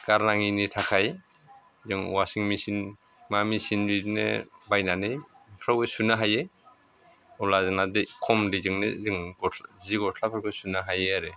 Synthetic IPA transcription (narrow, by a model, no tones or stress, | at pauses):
ɡ̥aɾnaŋinitʰakʰaj | zɯŋwasiŋmisin | mamisinbiznḛbajnanɯj | pʰɾawkɯsunaɦaje | ɔlazanadekʰɔmdizɯŋnḛzɯŋɡɔziɡɔtʰlapʰakɯsunaɦajeaɾe